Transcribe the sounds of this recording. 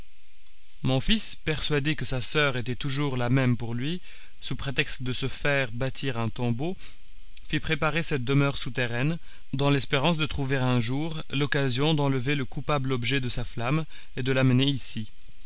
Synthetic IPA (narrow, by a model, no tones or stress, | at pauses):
mɔ̃fis | pɛʁsɥad̪ekəsasœʁet̪ɛt̪uʒuʁlamɛmpuʁlɥi | supχet̪ɛkst̪d̪əsəfɛʁbat̪ʰiʁɛ̃t̪ɔ̃bo | fipχepaʁesɛt̪̚d̪əmœʁsut̪eʁɛn | d̪ɑ̃lɛspeʁɑ̃sd̪ət̪χuveʁɛ̃ʒuːʁ | lɔkazjɔ̃d̪ɑ̃ləveləkupablɔbʒɛd̪əsaflam | ed̪əlaməneisi